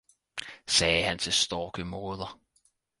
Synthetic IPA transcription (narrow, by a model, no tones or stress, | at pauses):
sɛːɦænt͡sʰe̝lsd̥ɒːɡ̥əmoːðˠɐ